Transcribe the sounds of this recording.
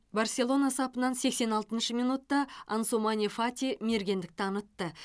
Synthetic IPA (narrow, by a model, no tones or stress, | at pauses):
barsʲe̞lˠo̞nɑsɑpənɑnse̞kse̞nɑlˠt̪ənʃəmijnut̪ːɑansumanʲifat̪ʲime̞ɾɡʲe̞nd̪ɪk̚t̪ɑnət̪ːə